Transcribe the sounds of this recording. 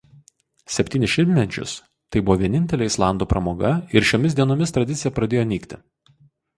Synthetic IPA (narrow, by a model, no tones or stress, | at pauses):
sʲɛpʲt̪ʲiːnʲɪʃʲɪmʲmʲɛt͡ʃʲʊ̰s | t̪ɐɪbʊʋɔːʋʲiɛnʲɪnʲt̪ʲɛlʲeːɪslˠɑˑnd̪uːpɾɐmoːɡɐɪɾʃʲoːmʲɪsd̪ʲiɛnoːmʲɪst̪ɾɐd̪ʲɪt̪sʲɪjɛpɾɐd̪ʲeːjoːnʲiːkt̪ʲɪ